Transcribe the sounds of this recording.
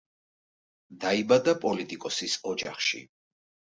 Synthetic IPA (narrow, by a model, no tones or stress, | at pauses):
d̪aibad̪apʼɔlit̪ʼikʼɔsisɔd͡ʒa̰χʃḭ